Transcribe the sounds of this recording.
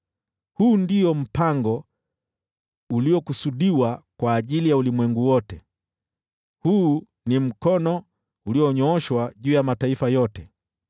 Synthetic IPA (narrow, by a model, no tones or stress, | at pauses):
huːndijɔm̩paŋɡɔ | uliɔkusuɗiwakwaːʄilijaulimwɛŋɡuwɔtɛ | huː | nim̩kɔnɔ | uliɔɲɔːʃwaʄuːjamataifajɔtɛ